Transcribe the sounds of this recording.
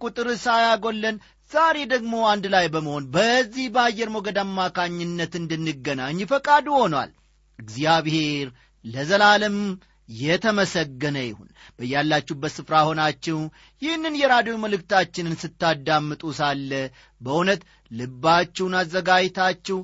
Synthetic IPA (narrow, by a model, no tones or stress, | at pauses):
kʼut̪ʼɨɾɨsajaɡo̞lːən | z̥aɾe̞d̪əɡmo̞and̪lajbəməho̞nbəzːihbəajːɛɾmoɡəd̪amːakʰaɲːɪnːət̪ɨnd̪ɨnːɨɡːənaɲːfəkʼad̪uho̞nwa̰l | ɨɡziaβhe̞ɾ | ləzəlalɨm | jɛt̪ʰəməsəɡːənəjɪhṵnb̥əjalːat͡ʃːubət̪sɨfɾaho̞nat͡ʃːɛw | jɪhnːɨnjɛɾad̪jo̞məlɨkt̪ʰat͡ʃːɪnɨnsɨt̪ːad̪amːɨt̪ʼusalːə | bəʔunət̪ | lɨbːat͡ʃːɛwnazːəɡajt̪ʰat͡ʃːɛw